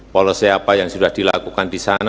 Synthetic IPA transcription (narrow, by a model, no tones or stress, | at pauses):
walosiapajaŋsudahd̥ilakukandisana